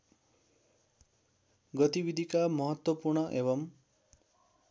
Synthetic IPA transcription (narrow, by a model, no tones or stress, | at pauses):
ɡʌt̪ibid̪ʱikamʌɦʌt̪wʌpurɳʌʔeβʌm